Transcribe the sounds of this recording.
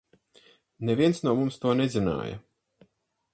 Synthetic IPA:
neviɛnsnuɔmumst̪uɔnɛzina̰ːjɐ̰

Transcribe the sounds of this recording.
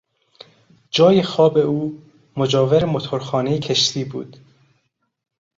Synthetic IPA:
d͡ʒɒːjexɒːbe̞uː | mod͡ʒɒːveɾemot̪ʰoɾxɒːnejecʰe̞ʃt̪ʰiːbṵːd̪̥

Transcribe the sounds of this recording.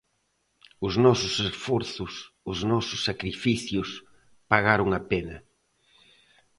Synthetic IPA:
ʊznɔsʊsesfɔɾθʊs | ʊznɔsʊsːakɾifiθjʊs | paɣaɾʊŋapenɐ

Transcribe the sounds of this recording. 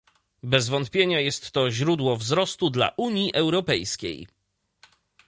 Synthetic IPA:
bɛzvɔnt̪̚pʲjeɲajɛst̪ːɔʑɾud̪wɔvzɾɔst̪ud̪la̰ʔuɲjiʔɛwɾɔpɛjskʲḛj

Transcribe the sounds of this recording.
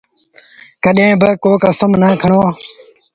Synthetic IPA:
kəɗẽːbəkoːkəsəmnaːkʰəɳoːaː

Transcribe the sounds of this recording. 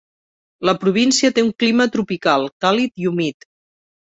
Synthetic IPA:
ləpɾuβ̞insiət̪euŋklimət̪ɾupikalˠkalit̪iumit̪

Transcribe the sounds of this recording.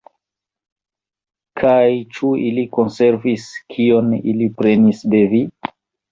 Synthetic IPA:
kʰajt͡ʃuiliko̞nse̞ɾviskʰio̞nilipɾe̞nisde̞vi

